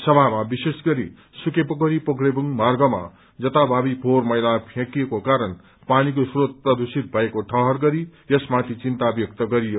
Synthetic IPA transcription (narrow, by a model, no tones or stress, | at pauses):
sʌbʱamabisesɡʌɾḭ | sukepʌkʌɾipʌkrebuŋmarɡʌma̰ | d͡zʌt̪abʱabipʰormʌjlapʰjãkijekokaɾʌn | panikosrot̪̚prʌd̪usit̪̚bʱʌekoʈʰʌɦʌrɡʌɾijʌsmat̪ʰit͡sint̪abjʌk̚t̪ʌɡʌɾijo